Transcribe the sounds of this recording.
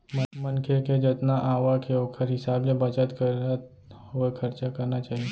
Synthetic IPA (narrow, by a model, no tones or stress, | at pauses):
mmənkʰeked͡ʒət̪naʔaːʋakʰeokʰəɾɦɪsaːblebət͡ʃət̪kəɾa | ɦoekʰəɾt͡ʃakəɾnat͡ʃaːɦie